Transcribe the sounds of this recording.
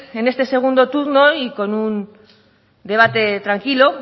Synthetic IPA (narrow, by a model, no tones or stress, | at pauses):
e̞ne̞st̪e̞se̞ɣ̞und̪o̞t̪uɾno̞iko̞nun | d̪e̞β̞at̪e̞t̪ɾaŋkilo